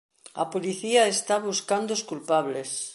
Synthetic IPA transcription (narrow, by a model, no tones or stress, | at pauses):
a̰poliθiaest̪aβuskand̪oskulpaβles